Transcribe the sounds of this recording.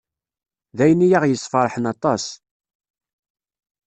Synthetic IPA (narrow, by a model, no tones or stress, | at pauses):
ðæjənijaʁjəsˤːfɑɾˤħənɑt̪ˤɑs